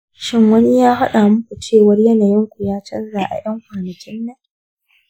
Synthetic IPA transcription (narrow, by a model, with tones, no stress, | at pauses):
ʃɪ˦ŋwɐ˦ni˦jaː˦ha˦ɗaː˨mʊ˦kʷu˨t͡ʃeː˦˨wɐ˦rjɐ˦naː˨jɪ˦ŋkʷʊ˨jaː˦t͡ʃɐ˦nzaː˨ʔa̰˨jɐ˦ŋkʷaː˨nɐ˨kʲɪ˦nːɐ˦